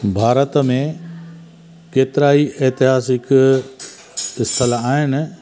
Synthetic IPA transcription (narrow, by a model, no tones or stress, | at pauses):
bʱaːɾət̪mẽ | keːt̪ɾaːiʔeːt̪ɪɦaːsɪk | ɪst̪ʰəlaaːɦɪnɪ̆